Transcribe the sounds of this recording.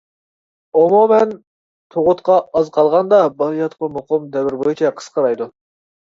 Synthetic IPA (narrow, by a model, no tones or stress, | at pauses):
omumɛn | t̪ʰoʁʊt̪qʰɑɑzqʰɑlˠʁɑnd̪ɑbɑlˠijɑt̪qɑmoqʰʊmd̪ɛwɪɾbojit͡ʃʰɛqʰə̥sqʰɑɾɑjd̪u